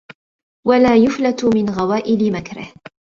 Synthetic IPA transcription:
walaːjʊflat̪ʊmɪnɣawaːʔɪlɪmakɾɪ̰h

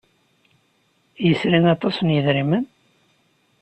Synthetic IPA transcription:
jəsɾinɑt̪ˤɑsnjəðɾimən

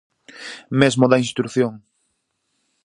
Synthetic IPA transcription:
mezmoðɐinst̪i̥t̪ɾuθjoŋ

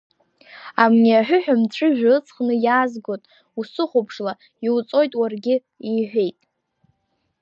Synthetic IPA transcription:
amniaħᶣʊħᶣamt͡ɕʷʰɨʒᶣɨt͡sʰʼχnɨjaːzɡotʼ | usɨχʷopʰʂla | iwt͡sʼo̞jtʼwarɡʲɪ | iħʷᶣe̞jtʼ

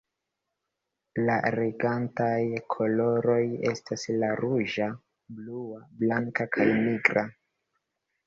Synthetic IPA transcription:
laɾeɡantajkʰo̞lo̞ɾo̞je̞staslaɾuʒa | bluablaŋkakʰajniɡɾa

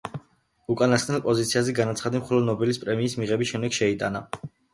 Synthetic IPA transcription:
ukʼanast̪nɛlˠpʼɔzit̪sʰiazɛɡanat̪sʰχad̪imχɔlˠɔd̪nɔbilispʼɾɛmiːsmiʁɛbisʃɛmd̪ɛɡ̥ʃɛit̪ʼana

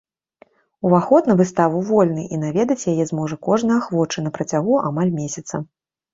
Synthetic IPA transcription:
uvaxɔt̪nɐvɨst̪avuvɔlʲn̪ɨʔin̪avʲɛd̪ɐt͡sʲjajɛzmɔʐɐkɔʐnɐjɐxvɔt͡ʂɨnɐpɾɐt͡sʲaɣuʔamalʲmʲeɛsʲɐt̪sɐ̰

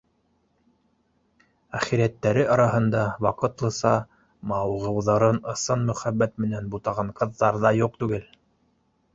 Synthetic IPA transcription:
æχiɾiæt̪ːæɾɘɑɾɑɦɤ̆nd̪ɑwɑqɤ̆t̪lˠɤ̆sɑ | mɑwʁɤ̆wðɑɾɤnɤ̆sɤnmɵ̆χæbːæt̪̚mɘ̆nænbut̪ɑʁɑɴqɤ̆ðːɑɾðɑjuq̚t̪ʉɡɘl

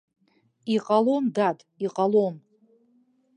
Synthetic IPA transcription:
iqʼalomdatʼiqʼalom

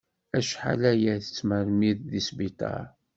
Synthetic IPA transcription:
æʃħa̰læjæθət͡sːməɾmiððisbit̪ˤɑ̰ɾ

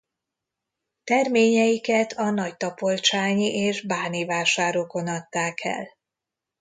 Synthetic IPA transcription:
t̪ɛrmeːɲɛjikɛt̪ʰɒnɒct̪ɒpo̞lt͡ʃaːɲiʔeːʒbaːnivaːʃaːɾoko̞nɒt̪ːaːkʰɛ̰l

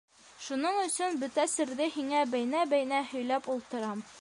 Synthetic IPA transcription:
ʃunɤɴɵ̆sɵnbɵt̪æsɘ̆ɾðɘhiŋæbæjnæbæjnæhɵ̆jlæpulˠt̪ɤ̆ɾɑm

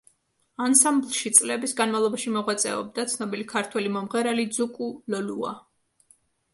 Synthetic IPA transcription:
ansamblˠʃit̪sʼlɛbisɡanmavlˠɔbaʃimɔʁwat̪sʼɛ̰ɔ̰b̚d̪at̪sʰnɔbilikʰaɾt̪ʰwɛlimɔmʁɛɾalid̪zukʼulɔlua̰

